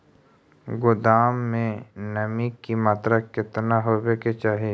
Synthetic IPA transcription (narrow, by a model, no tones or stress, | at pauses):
ɡʊd̪aːmːẽnəmikimaːt̪ɾakɪt̪naɦobeket͡ʃaːɦe